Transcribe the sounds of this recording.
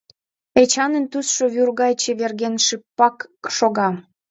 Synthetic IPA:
et͡ɕɑnənt̪usʃoβyrɣɑjt͡ɕeβerɣenʃipːɑkʃoɣɑ

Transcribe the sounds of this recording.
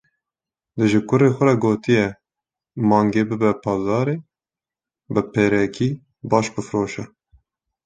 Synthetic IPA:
d̪ɨʒɨkʊɾeːxʷɛɾɛɡoːt̪ijɛ | mɑːŋɡeːbɨbɛpʰɑːzɑːɾeː | bɨpeːɾɛkiː | bɑːʃbɨfɾoːʃɛ

